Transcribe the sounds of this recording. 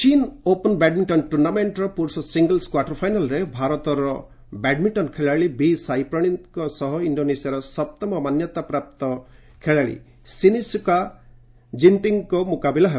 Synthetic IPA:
t͡ʃinopɔnbɛɖmiɳʈɔnʈuɾnameɳʈɾɔpuɾusɔsiŋɡəlskwaʈɔɾpʰajnalɾebʱaɾɔt̪ɔɾɔ | bɛɖmiɳʈɔnkʰeɭaɭibisajpɾɔɽ̃inkɔsɔɦɔiɳɖonesiaɾɔsɔp̚t̪ɔmɔmanjɔt̪apɾap̚t̪ɔ | kʰeɭaɭḭ | sinisuka | d͡ʒinʈiŋkɔmukabilaɦ

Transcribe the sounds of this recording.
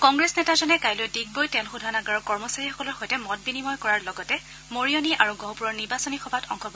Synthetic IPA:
kɔŋɡɹesnɛtazɔnɛkajlojdiɡ̚bojtɛlxudʱanaɡaɹɔkɔɹmɔsaɹixɔkɔlɔɹxɔjtɛmɔt̚binimɔjkɔɹaɹlɔɡɔtɛ | moɹijoniʔaɹuɡɔ̃ɦwpuɹɔɹniɹbasɔnixɔbʱatɔ̰ŋxɔbɔ

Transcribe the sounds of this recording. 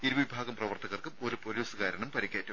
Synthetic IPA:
iɾubɐʋibʱaːɡɐmprɐʋɐrt̪ʰɐɣɐrkɨmo̞ɾupoluːsɨkaːɾɐɳumpɐɾikʲːeːtːum

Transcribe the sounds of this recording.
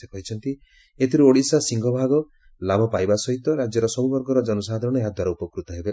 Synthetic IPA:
ekɔɦit͡ʃʰɔnt̪i | et̪ʰiɾuoɽisasiŋɡʱɔbʱaɡɔ | labʱɔpajbasɔɦit̪ɔɾad͡ʒjɔɾɔsɔbubɔɾɡɔɾɔd͡ʒɔnɔsaɦd̪ʱɔɾɔɽ̃ɔeɦad̪ʱwaɾɔupɔkɾut̪ɔɦebe

